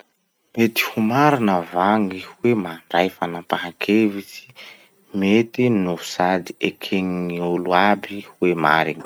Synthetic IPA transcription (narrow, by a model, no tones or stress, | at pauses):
met̪i̥humaɾinəvaŋihuwemaɳɖ͡ʐajfanapaɦakʰevisi̥ | met̪inuu̥sad̪i̥ekʰeŋiŋiuluabihuema̰ɾiɲi